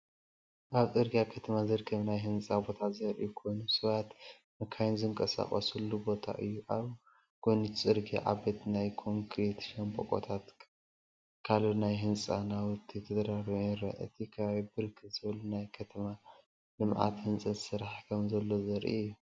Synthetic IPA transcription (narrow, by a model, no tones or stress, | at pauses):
ʔaβt͡sʼɨɾɡijakʰɐt̪ʰɐmazɨɾɡʰɐβnajɦɨnt͡sʼabo̞t̪ʰazɐɾʔiukʰo̞jnusɨβat̪ | mɨkʰajnzɨŋkʼɐsa̰χʼɐ̰sulːubo̞t̪ʰa̰ʔɨjːuʔaβ | kʰojnut͡sʼɨɾɡḭʕa̰bet̪najkʰo̞ŋkʰɾet̪ʃɐmpʼo̰kʼo̞̰t̪ʰat̪ | kʰalunajɦɨnt͡sʼa̰nawʊt̪ʰːit̪ʰɐd̪ɾaɾjɛɾɐ̰ʔɨ̰t̪ʰikʰaβaβibɨɾkʰɨz̥ɨβlunajkʰɐt̪ʰɐma | lɨmʕʔa̰t̪hɨnt͡sʼɨzsɨɾaħkʰɐmzɐlːo̞zɐɾʔḭjːu